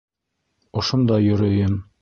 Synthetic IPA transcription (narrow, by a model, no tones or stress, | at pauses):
ŏʃond̪ɑjŏɾɤ̆jɤm